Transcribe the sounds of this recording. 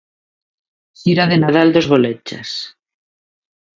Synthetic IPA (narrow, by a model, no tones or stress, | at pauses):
θiɾaðenaðald̪o̞zɣo̞let͡ʃa̰s